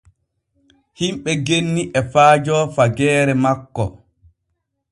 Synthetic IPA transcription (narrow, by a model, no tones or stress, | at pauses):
himɓɛɡenːiʔɛfaːd͡ʒɔːfaɡɛːɾɛmakːɔ̰